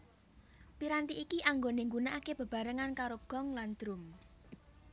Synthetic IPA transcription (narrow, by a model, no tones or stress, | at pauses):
piɾant̪iʔikiʔaŋɡoneŋɡunaʔakeb̥ə̤b̥a̤ɾəŋankaɾoɡ̥ɔ̤ŋland̪̥ɾʊm